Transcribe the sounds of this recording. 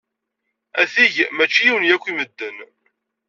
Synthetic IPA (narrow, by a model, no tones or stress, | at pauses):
æθiʝmæt͡ʃːijiwənjækʷːiməd̪ːən